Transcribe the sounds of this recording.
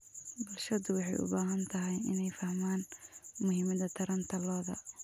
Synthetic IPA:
bʊlʃɐðʊwɑħɑ̰jʊ̰baːɦɐnt̪ʰɐɦɛjɪ̰nɛjfɐhmaːnmʊɦɪmɐðɐt̪ʰɐɾɐnt̪ʰɐlɔːðɐ̰

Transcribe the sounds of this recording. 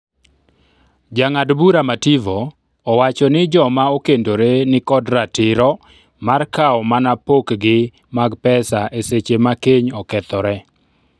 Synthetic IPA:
d͡ʒaŋadbuɾamativoː | wat͡ʃɔnɪd͡ʒɔmaokendoɾenɪkɔdɾatɪɾɔ | markaɔmanapokɡɪ | maɡpɛsaʔeset͡ʃemakeɲɔkɛt̪ɔɾɛ

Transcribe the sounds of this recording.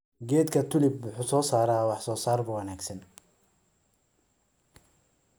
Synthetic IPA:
ɡɛːd̪kʰɐt̪ʰʊlɪbwʊħuːsɔːsaːɾaːwɑħsɔːsaːrbʊwɑnaːɡsɐn

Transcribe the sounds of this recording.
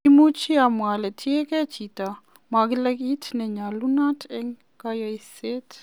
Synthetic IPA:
imut͡ʃiamwalɛt̪ʰiekɛt͡ʃit̪a | maɡlekit̪ʰnɛɲalunatʰeŋ | kajajset̪

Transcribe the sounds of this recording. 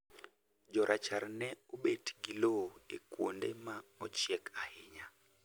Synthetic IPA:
d͡ʒɔɾʔat͡ʃaɾnɛobetɡiloekwo̰ndemaɔt͡ʃjɛkahɪɲa

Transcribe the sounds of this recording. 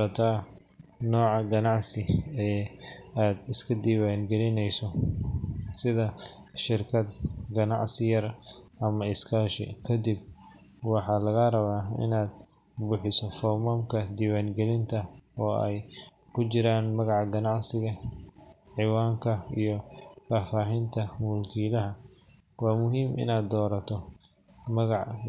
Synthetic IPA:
ɐt̪ʰaː | nɔːʕɑɡɐnɑʕsɪɛːaːd̪ɪskʰɐd̪iːwaːnɡɛlɪnɛjsɔ | sɪðɐ | ʃɪrkʰɐd̪ɡɐnɑ̰ʕsɪjɐrʔɐmɐɪskʰaːʃɪ̰kʰɐd̪ib̚wɑħɑːlɐɣɐrɐβaːɪ̰naːd̪̚ | bʊħɪsɔfɔmɔːmkʰɐd̪iwaːŋɡɛlɪnt̪ʰɐɔːɛ̰jkʰʊt͡ʃɪɾaːnmɐɣɑʕɡɐnɑʕsɪɣɐ | ʕɪwaːŋkʰɐijɔfaːfaːɦɪnt̪ʰɐmulkʰiːlɐɦɐwɑːmʊɦiːmʔɪ̰naːd̪ːɔːɾɐt̪ʰɔ | mɐɣɑʕ

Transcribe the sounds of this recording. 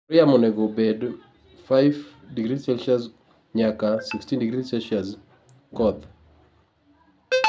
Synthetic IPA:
ɾjamonɛɡobed | faɪvdiɡɾisɛlʃaz | ɲakasikstindiɡɾisɛlʃaz | kɔd̪

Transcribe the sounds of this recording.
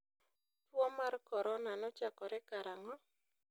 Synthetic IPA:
twɔmarkɔɾɔnanɔt͡ʃakɔɾɛkaɾaŋɔ

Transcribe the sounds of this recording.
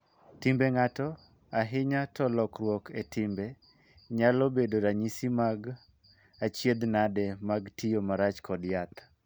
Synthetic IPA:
tɪmbeŋatɔ | aɦɪɲatɔlɔkrwɔketɪmbe | ɲalɔbedoɾaɲisimaɡ | at͡ʃjed̪nadɛmaɡtijomaɾat͡ʃkʰɔdjat̪

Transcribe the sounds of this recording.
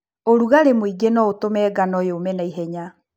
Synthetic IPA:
oɾuɣaɾemoiɡenɔotomɛːɡanɔjeomɛnaiɦɛɲa

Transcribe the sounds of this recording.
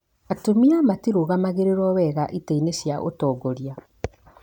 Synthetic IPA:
atomiamatiɾoɣamaɣeɾeɾwɔwɛɣaʔitainesjaʔo̰tɔːɡɔɾja

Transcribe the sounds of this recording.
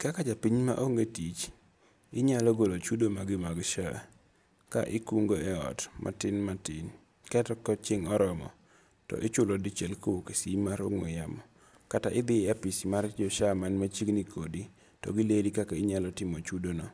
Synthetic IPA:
kakat͡ʃapiɲma̰ʔoŋɡetit͡ʃ | ɪɲalɔɡolot͡ʃudomaɡɪmaɡʃa | ka̰ʔɪkuŋɡoɛɔ̰tmʔa̰tɪnmatɪn | kɛtɔkɔt͡ʃɪŋɔɾɔmɔ̰ | tɔ̰ʔɪt͡ʃʊlɔdɪt͡ʃɛlkowokesimaɾoŋɔ̰jamɔ | kataʔɪd̪ɪapisimard͡ʒɔʃamanmat͡ʃiɡnikʰodi | tɔ̰ɡɪledikakaɪɲalɔtɪmɔt͡ʃudonɔ

